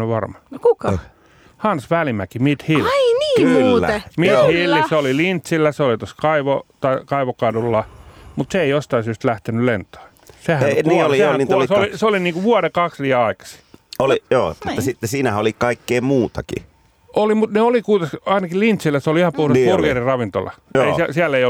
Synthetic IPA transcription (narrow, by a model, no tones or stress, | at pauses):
oʋɑrmɑnkukɑ | hɑnsʋælimækimit̪hilːniːkːæ̰mit̪hilːiseolilint̪silːæseolit̪oskɑiʋot̪ɑkɑiʋokɑdulːɑmut̪seeijost̪ɑisyːst̪læht̪enylent̪o̥i | sehækniolisehæiuseoliseoliniːŋkuʋuɑɾekɑksʋiæɑikɑ̥si̥olijo̰ːmut̪ːɑsit̪ːesiːnæhæolikɑikːeːmuːt̪ɑkḭ | olimut̪neolikuit̪ɑsɑinɑkilint̪silːˑæseoliihɑmpuhɾespurʋierirɑʋint̪o̰lːɑ̰joeiæsiælːeio